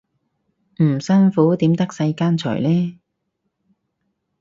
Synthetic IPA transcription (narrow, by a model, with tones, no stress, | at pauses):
m̩˨˩sɐ˥nfuː˨˥t̪iː˨˥mt̪ɐ˥k̚sɐ˧jkaː˥nt͡ʃʰœ̰ː˨˩jlɛː˥